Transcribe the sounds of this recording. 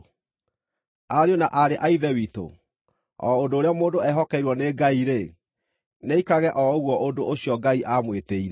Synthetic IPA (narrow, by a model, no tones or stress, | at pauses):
aɾeonaʔaɾeʔaiðɛwito̰ | ɔ̰odoːɾeɔmoːdoɛɦɔkɛiɾwɔneɡaiɾe | neikaɣɛʔɔoɣwɔʔondoʔoɕiɔɡaiʔamweteiɾɛ